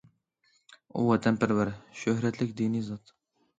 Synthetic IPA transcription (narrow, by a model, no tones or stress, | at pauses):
ṵwɛt̪ʰɛmpɪɾwæɾʃøhɾɛt̪ʰlɪkʲd̪inizɑt̪